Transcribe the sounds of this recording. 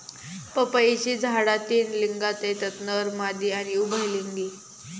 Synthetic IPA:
pəpəit͡ɕiːd͡zʱaɽat̪iːnliŋɡat̪et̪ət̪nəɾmad̪iːañiubʱəjliŋɡiː

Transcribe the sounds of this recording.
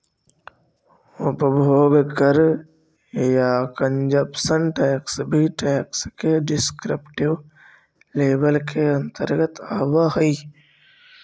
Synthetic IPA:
ʊpbʱoːɡkəɾ | jaːkəɲd͡ʒɐpsənʈɛːksbʱiʈɛːkskeɖɪskɾɪpʈɪʋ | leːbəlkʰeɐ̃nt̪əɾɡət̪aːʋaɦɐi

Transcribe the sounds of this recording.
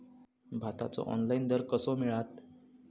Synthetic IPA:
bʱat̪a̰t͡sɔ̰ʔɔ̰nlaind̪əɾkəsɔmiɭat̪̚

